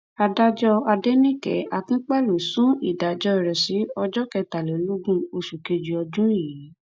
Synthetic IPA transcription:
a˧da˦d͡ʒɔ˧a˧de˦nĩ˦kɛ̰˨˦ʔa˨kĩ˦k͡pa˦˨lũ˨sũ˦ḭ˨da˨d͡ʒɔ˧˦ɛ˨ɾɛ˨si˨˦ɔ˧d͡ʒɔ˦kɛ˧ta˨lɛ˨˦lo˦ɡũ˦o˧ʃu˨ke˧d͡ʒi˧ɔ˧d͡ʒũ˦i˦ji˨˦

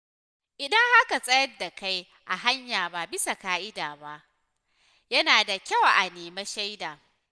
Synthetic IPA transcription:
ʔɪ˨dɐ˦ŋha˦ka˨sʼɐ˦jɐ˦rda˨ka˦j | ʔa˨ɦa˦ɲjaː˨ba˨bɪ˦sa˨kaː˦ʔɪ˦daː˨ba˦ʔ | jɐ˦naː˨da˨kʲɐ˦˨wʔa˨neː˨me˦ʃa˦jdaː˨

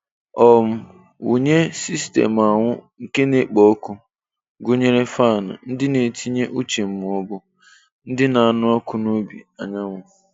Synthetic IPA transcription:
ɔ˨m̩˦ | ṵ˨ɲe˦si˦stḛ˨ma˨ŋʷʊ˦ŋ̩˨ke˦ne˦k͡pɔ˨˦ku˦ | ɡʊ˦ɲe˦ɾe˦fa˦˨na̰˨n̩˦dɪ˦ne˨tʰi˦ɲe˦ʔu˦t͡ʃe˨m̩˦˨mʊ̃˨ɔ˦bʊ˦ | n̩˦dɪ˦na˨a˨nʊ˦ɔ˦kʊ˦no˦bḭ˨a˨ɲa˦ŋʷʊ˨

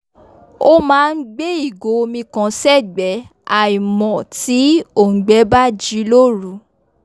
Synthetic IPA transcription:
o˦mãː˦˧n̩˦ɡ͡be˦i˦˨ɡo˨˦o˧mĩ˧kã˨˧sɛ˦˨ɡ͡bɛ˨˦a˨i˨mɔ̃˨ti˨˦o˦˨ŋ̩˨ɡ͡bɛ˨˦ba˦d͡ʒi˨˦lo˦ɾu˨˦

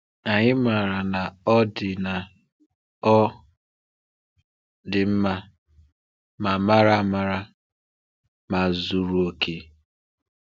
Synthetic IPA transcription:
a˨ɲɪ˦ma˨ɾa˨na˨ɔ˦dɪ˨na˨ | ɔ˦ | dɪ˨m̩˦ma˦ | ma˨ma˦ɾa˦ma˨ɾa˦ | ma˨zu˦ɾu˨o˦kʰe˦

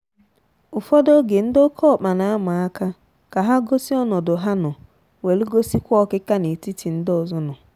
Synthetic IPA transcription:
ʊ˨fɔ˦do˦ɡe˨n̩˦do˦kʰɔ˦˨k͡pa˨na˨˦a˦mʊ˨a˦ka˦ | ka˨ɦa˦ɡo˦si˦ɔ˦nɔ˨dʊ˨ɦa˦nʊ˨ | we˨lu˦ɡo˦si˦kʷɔ˦kɪ˦ka˦ne˨ti˦ti˨n̩˦dʊ˨zʊ˦nʊ˨

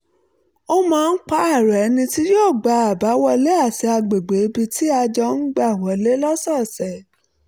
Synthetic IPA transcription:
o˦mãː˦˧˦n̩˦k͡pa˧a˦˨ɾɛ˨ɛ˨˧nĩ˧ti˦joː˦˨ɡ͡ba˧a˨ba˨˦wɔ˧le˦a˦˨ti˧a˧ɡ͡be˨ɡ͡be˨˦bi˧ti˦a˧d͡ʒɔ˧n̩˦ɡ͡ba˦˨wɔ˨˦le˦lɔ˦sɔ˦˨sɛ˨

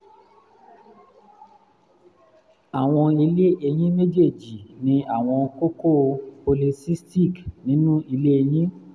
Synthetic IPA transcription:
a˨w̃ɔ̃˧i˧le˦e˧j̃ĩ˦me˦d͡ʒe˦˨d͡ʒi˨nĩ˧˦a˦˨w̃ɔ̃˧ko˦ko˦˨po˧li˧si˦sti˦˨knĩ˨˦nũ˦i˧le˦e˧j̃ĩ˦

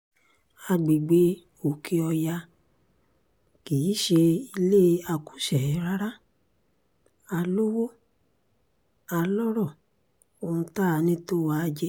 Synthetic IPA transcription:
a˧ɡ͡bi˨ɡ͡be˨˦ | o˨kʰi˧ɔ˧ja˧ | ki˨˦ʃe˧i˧le˦˧a˧ku̥˦ʃɛ˨˦ɾa˦ɾa˦ | a˧lo˦wo˦ | a˧lɔ˦ɾɔ˦˨ | o˨ũ˧ta˦˧nĩ˦to˦wa˧d͡ʒɛ˧˦

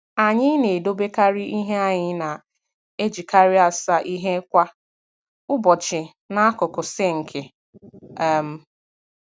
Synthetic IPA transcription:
a˨ɲɪ˦ne˨do˦be˦ka˦ɾɪ˦ʔi˦ɦe˦a˦ɲɪ˦na˨ | e˦d͡ʒi˨ka˦ɾɪ˦a˨sa˨ʔi˦ɦe˦kʷa˦ | ʊ˦bɔ˨t͡ʃɪ˨ | na˦a˦kʊ˨kʊ˨se˦ŋ̩˨kʰe˨˦˨ | m̩˦

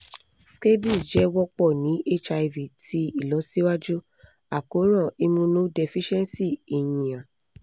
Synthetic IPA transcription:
ske˦bi˦˨sd͡ʒɛ˨˦wɔ˦k͡pɔ˦˨nĩ˨˦e˦˨t͡ʃa˧i˧vi˨tʰi˨˦i˦˨lɔ˨˦si˦wa˦d͡ʒu˦ | a˨ko˨˦ɾ̃ã˦˨i˧mũ˧nũ˦de˧fi˦ʃɛ˦nsi˦˨i˨jĩ˨ã˨

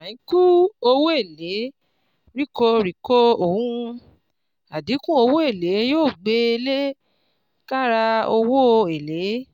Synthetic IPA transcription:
a˨ĩ˨˦ku˦o˧wo˦e˦˨le˨˦ | ɾi˦˨ko˧ɾi˨ko˦o˨hũ˦˧ | a˨di˨˦kũ˦o˧wo˦e˦˨le˨˦joː˦˨ɡ͡be˧˦˧le˦ | ka˦ɾa˧o˧wo˦˧e˨le˨˦

